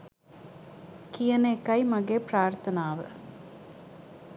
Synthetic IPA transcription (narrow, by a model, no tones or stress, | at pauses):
kijɐneːkɐjmɐɡeːpɾaːɾt̪ʰɐnaːʋə